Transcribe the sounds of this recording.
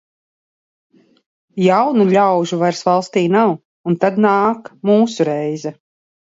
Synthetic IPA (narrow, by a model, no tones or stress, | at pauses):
jawnuʎʲawʒuvaɾsvalˠst̪iːnaw | unt̪ad̪naːkmuːsuɾɛjzɛ